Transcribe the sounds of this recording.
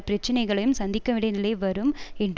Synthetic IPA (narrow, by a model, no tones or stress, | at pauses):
pɪɾɐt͡ʃːɪnɐɪɣɐɭɐjɯmsɐnd̪ɪkːɐʋɪɽɐɪnɪlɐɪʋɐɾɯmɛnd